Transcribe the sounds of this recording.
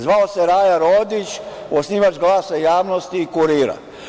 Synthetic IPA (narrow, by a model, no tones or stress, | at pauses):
zʋaoseɾaːjaɾoːd̪it͡ʃ | osniːʋat͡ʃɡlˠaːsajaːʋnost̪iːkuɾiːɾa̰